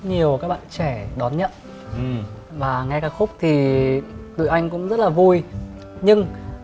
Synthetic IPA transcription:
ɲi˨˩əwkaː˦˥k̚ɓa̰ː˧˨nt͡ɕɛ˧˩ɗɔ˨˦nɲə̰˧˨n˨˩ | vaː˨˩ŋa˧jkaː˧˩k̚xʊ˦˥k͡p̚t̪ʰi˨˩t̪ɨ̰˧˨ʔa˧jŋ̟kʊ̰˧˥ŋ͡mzə˦˥t̚laː˨˩vu˧j | ɲɨ˧ŋ

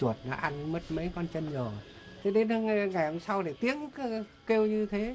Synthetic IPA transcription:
u˨˩ət̚na˨˦ʔa˧nmə˦˥t̚mə˨˦jkɔ˧nt͡ɕə˧nɲəː˨˩ | t̪ʰe˨˦ɗe˨˦nə˧ŋa˨˩jhə˧wŋ͡msa˧wɗe˧˩t̪i˨˦əŋk | ke˧wɲɨ˧t̪ʰe˨˦

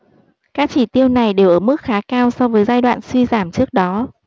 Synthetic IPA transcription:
kaː˦˥k̚t͡ɕi˧˩t̪i˧əwna˨˩jɗe˨˩wʔəː˧˩mɨ˦˥k̚xaː˨˦kaː˧wsɔ˧wvəː˨˦jzaː˧jɗwa̰ː˧˨nswi˧zaː˧˩mt͡ɕɨ˦˥ək̚ɗɔ˨˦

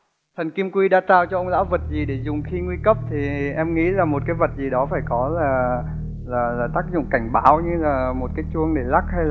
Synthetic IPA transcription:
t̪ʰə˨˩ŋki˧mkwi˧ɗaː˧t̪aː˧˩wt͡ɕɔ˧ʔə˧wŋ͡mla̰ː˧˥wvə˨˩t̚zi˨˩ɗe˧˩zʊ˨˩ŋ͡mxi˧ŋwi˧kə˦˥p̚t̪ʰi˨˩ʔɛ˧mŋḭ˧˥laː˨˩mo˨˩t̚kaː˨˦jvə˨˩t̚zi˨˩ɗɔ˨˦faː˧˩jkɔ˨˦laː˨˩ | laː˨˩laː˨˩t̪aː˦˥k̚zʊ̰˧˨ŋ͡mka˧˩jŋ̟ɓaː˨˦wɲɨ˧laː˨˩mo˨˩t̚kaː˨˦jt͡ɕu˧əŋɗe˧˩la˦˥k̚ha˧jl

